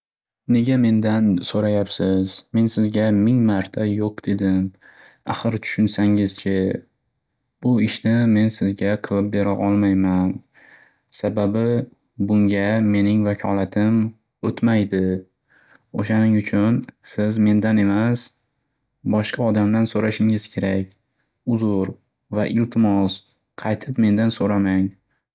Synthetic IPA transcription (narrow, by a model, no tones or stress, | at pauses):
ne̞ɡʲame̞nd̪ansoɾajapsɪz̥me̞nsɪzɡʲamɪŋmaɾt̪ʰajoqd̪̥e̞d̪ɪm | a̰χɨɾt̪ʰʊ̥ʃʊnsaŋɪzt͡ʃʰɪ | b̥ʊɪʃnɪme̞nsɪzɡʲaqʰɨlˠɪp̚be̞ɾaʔɒlˠmajman | sababɪ | bʊŋɡʲame̞nɪŋvakʲʰɒlat̪ʰɪm | ot̪majd̪ɪ | oʃanɪŋʊt͡ʃʰʊnsɪzme̞nd̪ane̞mas | bɒʃqɑɒd̪amlansoɾaʃɪŋɪzkʲʰe̞ɾakʲ | ʊzʊɾ | vaʔɪlt̪ʰɪmɒs | qʰɑjt̪ʰɪpme̞nd̪ansoɾamaŋ